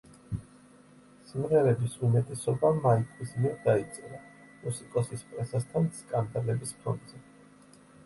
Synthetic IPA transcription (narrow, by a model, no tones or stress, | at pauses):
simʁɛɾɛbisumɛt̪ʼɛsɔbamaikʼwismiɛɾd̪ait̪sʼɛɾa | musikʼɔsispʼɾɛsast̪ʰanskʼand̪alɛbispʰɔ̰nd̪z̥ɛ